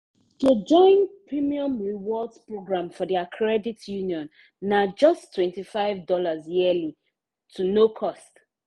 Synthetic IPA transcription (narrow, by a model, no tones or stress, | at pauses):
tud͡ʒɔ̃ɪ̃npɹimiɔ̃mɹiwɔldpɹoɡɹãmfɔdiakʰɹɛditʰjuniɔ̃nː | ad͡ʒʌstʰːwɛ̃ntifaɪvdɔlazjiəli | tʰunokʰɔst